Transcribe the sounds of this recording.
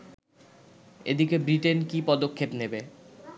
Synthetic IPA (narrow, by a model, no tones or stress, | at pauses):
ed̪ikebɾiʈenkipɔd̪okʰːepnebe